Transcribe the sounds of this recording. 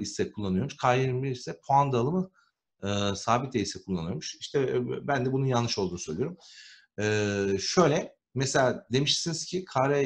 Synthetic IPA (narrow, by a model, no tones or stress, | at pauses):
isːɛkʰulˠːanɯjo̞ɾmuʃkʰajiɾmbiɾisɛpʰoand̪alˠɯmɯ | ɯːsaːbit̪̚d̪ejisɛkʰulˠːanɯjo̞ɾmuʃiʃt̪ʰɛbænd̪ɛbununjalnːɯʃo̞lˠd̪uːusøjlʲijoɾum | ɛːʃø̞jlʲɛ | meselʲaːd̪e̞miʃsiniz̥cʰikʰaɾa